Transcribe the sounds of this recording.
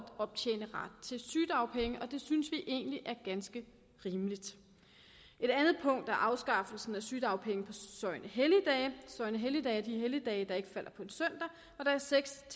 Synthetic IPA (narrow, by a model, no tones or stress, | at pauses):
d̥ɒ̽b̥̚t͡ɕʰḛːnəʁɑ̈d̥̚t͡sʰe̝lsyːd̥ɑ̈ʊpʰeŋəʔɒ̽d̥e̝synsʋiʔe̝̰ːnliʔæɐɡ̥ænsɡ̥ə | ʁiːməlid̥ | e̝d̥ænð̩ˠpʰɔ̽ŋ̰d̥æɐʔɑ̈ʊsɡ̥ɑ̈fl̩sn̩æsyːd̥ɑ̈ʊpʰeŋəpʰɒ̽sɒ̽ɪnʔəɦeljəd̥ɛ̰ːsɒ̽ɪnəɦeljəd̥ɛ̰ːæɐd̥iɦeljəd̥ɛːɪd̥ɑ̈e̝ɡ̥əfæl̰ɐpʰɒ̽e̝nsøn̰d̥ɐ | ɒ̽d̥ɑ̈æɐseɡ̥sʰ